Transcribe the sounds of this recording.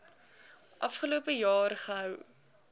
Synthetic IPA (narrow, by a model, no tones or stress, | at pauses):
ʔɐfχəlupəjɑːɾəχəɦœw